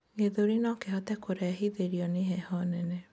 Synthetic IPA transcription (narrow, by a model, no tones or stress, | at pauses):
ɡeðoɾinɔkehɔtɛkoɾɛaɦiðeɾiɔneɦɛhɔnɛnɛ